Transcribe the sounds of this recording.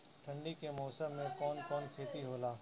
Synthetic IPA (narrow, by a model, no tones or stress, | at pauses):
ʈʰɐ̃ɳɖikemɔːsəmːẽkɔːnkɔːnkʰeːt̪iɦoːlaː